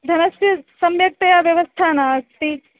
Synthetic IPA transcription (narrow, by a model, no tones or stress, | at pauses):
d̪ʱɐnɐsɐsɐmjɐk̚t̪ɐjaʋjɐʋəst̪ʰanati